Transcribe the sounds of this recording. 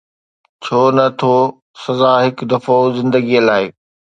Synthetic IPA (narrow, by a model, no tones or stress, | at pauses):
t͡ɕʰoːnɐt̪ʰo | sɐzaːɦɪkd̪ɐfozɪ̃nd̪əɡiəlaːɪ